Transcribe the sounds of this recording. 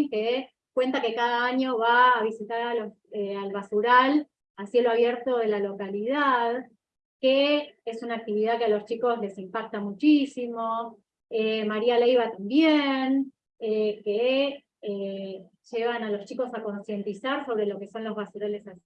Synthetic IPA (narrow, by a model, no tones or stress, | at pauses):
ke | kwe̞nt̪ake̞kaðaaɲo̞βaːβ̞isit̪aɾalos | ealβasuɾal | asje̞loaβje̞ɾt̪o̞ðe̞lalo̞kaliðað | keesunaːk̚t̪iβiðaðkealo̞st͡ʃiko̞sle̞simpak̚t̪amut͡ʃisimo̞ | emaɾialejβat̪ambjen | eke | e | ʒ̥eβanalo̞st͡ʃiko̞sako̞nsje̞nt̪isaɾso̞β̞ɾe̞lo̞ke̞so̞nlo̞zβasuɾale̞sa